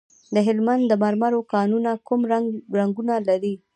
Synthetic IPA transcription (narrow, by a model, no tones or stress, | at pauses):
d̪əɦɪlmand̪d̪əmaɾmaɾokɑnunakumaɾaŋɡunalaɾi